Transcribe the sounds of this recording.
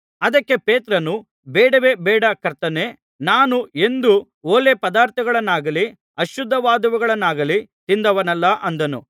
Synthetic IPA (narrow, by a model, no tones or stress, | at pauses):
ɐd̪ɐkːe̞peːt̪ɾɐnu | bɛːɽɐʋe̞ːbɛːɽɐkɐɾt̪ɐne̞ː | naːnue̞nd̪u | oːle̞pɐd̪aːɾt̪ʰɐɡɐɭɐnːaːɡɐli | ɐʃjud̪ʱːɐʋaːd̪ɐʋuɡɐɭɐnːaːɡɐlit̪ind̪ɐʋɐnɛlːɐʔɐnd̪ɐnṵ